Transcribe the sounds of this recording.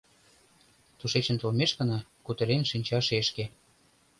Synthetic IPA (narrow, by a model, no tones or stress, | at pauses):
t̪uʃet͡ɕə̆nt̪olmeʃkə̆nɑkut̪ə̆ɾenʃinʲt͡ɕɑʃeʃke